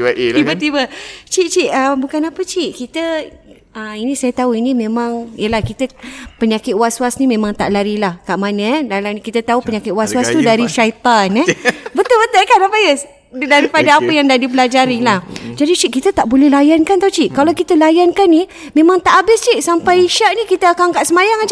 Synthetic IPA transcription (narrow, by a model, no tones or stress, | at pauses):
t̪ibət̪ibət͡ʃiʔt͡ʃiʔəbukanapət͡ʃiʔkit̪ə | əinĩsajət̪auinĩmẽmãŋjəlahkit̪əpəɲakɪt̪waswasnimẽmãŋt̪aʔlaɾilahkaʔmanəɛdalamnkit̪ət̪aupəɲakɪt̪wasuast̪udaɾiʃait̪anɛbət̪ʊlbət̪əlkanapajəs | daɾipadaapəjaŋdadipəlad͡ʒaɾilahd͡ʒadit͡ʃiʔkit̪ət̪aʔbolɛhlajankant̪at͡ʃiʔkalawkit̪əlajankanːi | mẽmãŋt̪aʔabɪst͡ʃiʔsampajiʃaʔnĩkit̪əakaŋkaʔsəmajaŋad͡ʒ